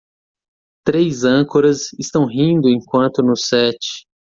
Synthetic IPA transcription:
t̪ɾejzɐ̃koɾɐzɪst̪ɐ̃w̃ɦĩd̪ʊẽjkwɐ̃nt̪ʊnʊsɛt͡ʃɪ̥

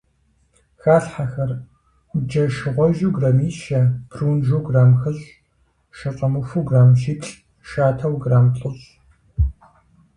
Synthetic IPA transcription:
xaːɬħaxɐr | d͡ʒɐʃɨʁʷɔʒuɡrɐmiːʃɐpʰroːnʒuːɡraːmxɨɮ | ʃɐt͡sʼɐmɨfuɡraːmʃiːpɬʼ | ʃaːtʰɐwɡraːmɬʼʊɮ

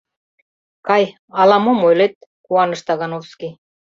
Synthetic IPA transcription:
kɑj | ɑlɑmomojlet̪̚kuɑnɤ̆ʃt̪ɑɣɑnofski

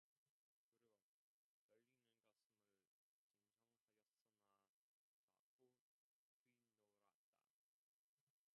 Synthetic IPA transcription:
kɯɾiɡo | jʌʎːinɯnɡasɯmɯɭ | t͡ɕɯŋsʰʌŋhajʌs͈ɯna | na̰ɡo | puindoɾat͈a̰

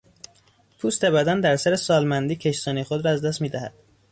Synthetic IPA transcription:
pʰust̪ebæd̪ænd̪æɾsæɾesɒːlmænd̪iːcʲʰe̞ʃsɒːnixod̪ɾɒæzd̪æst̪miːd̪æhæ̰d̪̥

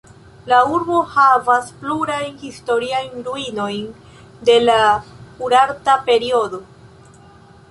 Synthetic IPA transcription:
lauɾbo̞havaspluɾajnhisto̞ɾiajnɾuino̞jn | de̞lapuɾaɾtape̞ɾio̞do̞

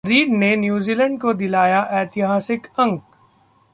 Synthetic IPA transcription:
ɾiːɾnenjuːziːlə̃ɳɖkod̪ɪlaːjaʔɛːt̪ɪɦaːsɪkɐ̃ŋk

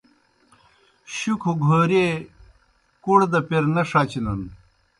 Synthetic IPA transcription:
ɕukʰuɡʱoːɾe | kuɽd̪ɐpeɾnɐʂat͡ɕinun

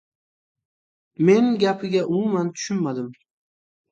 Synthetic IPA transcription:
me̞nɡʲapʰɪɡʲaʔʊmʊmant̪ʰʊ̥ʃʊnmad̪ɪm

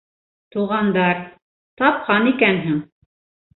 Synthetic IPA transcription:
t̪uʁɑnd̪ɑɾ | t̪ɑp̚qɑnikænɦɘŋ

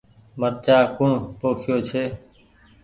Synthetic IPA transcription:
məɾt͡ʃaːkʊɳpoːkʰɪjoːt͡ʃʰeː

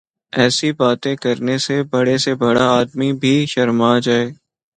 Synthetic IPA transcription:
ɛːsibaːt̪ẽkɐɾnesebɐɽesebɐɽaaːd̪mibʱiʃɐɾmad͡ʒaːeː

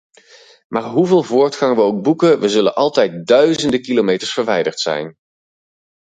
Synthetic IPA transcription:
maːɹɦuveːlˠvʊːɹtχɑŋʋəowk̚bukəʋəzɵlə̰nʔɑlˠtɛjt̚dœɥzəndəkilomejtəɹsfəɹʋɛjdəɹtsɛ̰jn

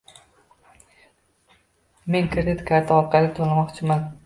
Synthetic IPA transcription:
me̞ŋkʰɾɪd̪ɪt̪kʲʰaɾt̪ʰaɒɾqʰɑlɪt̪ʰolˠmɒqt͡ʃʰɪman

